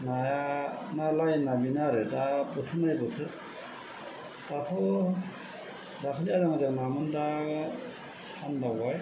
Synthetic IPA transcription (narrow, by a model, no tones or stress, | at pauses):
najanalajnabinaɾɯdabɯtʰɯnajbɯtʰɯt̚ | d̥atʰɔ | dakʰɯlijazaŋazaŋnamɯnda | sʰandawaj